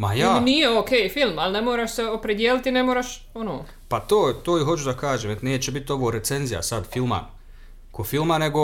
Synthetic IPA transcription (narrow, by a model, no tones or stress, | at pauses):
majaːnijeoːkeːjfilˠmalnemoːɾaːʃseopɾed̪jeːlit̪inmoːɾaːʃ | onoː | pat̪oːt̪oːiɦo̞t͡ɕud̪akaːʒeːmʋet̪neːt͡ɕebit̪o̞ʋoːɾetse̞nzija̰sad̪filma̰ | kofilmane̞ɡo